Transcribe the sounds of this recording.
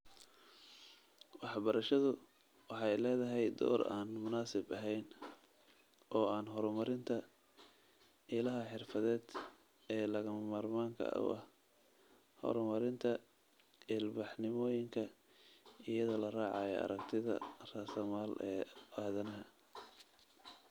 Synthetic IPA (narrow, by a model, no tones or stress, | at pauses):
wɑħbɐɾɐʃɐðʊ | wɑħɑjlɛːðɐɦɛjd̪ɔ̰ːɾa̰ːnmʊnaːsɪbɐɦɛjn | ʔɔːaːnɦɔɾmɐɾɪnt̪ʰɐ | ɪlɐɦɐħɪrfɐðɛːd̪ | ɛːlɐɣɐmɐmaːrmaːŋkʰɐ̰ʔʊ̰ʔɐh | hɔ̰ɾmɐɾɪnt̪ʰɐ | ɪlbɑħnɪmɔːjɪŋkʰɐ | ijɐðɔːlɐraːʕɑjɔ̰ɐ̰ɾɐkt̪ʰɪðɐ̰rasɐmaːlɛːaːðɐnɐɦɐ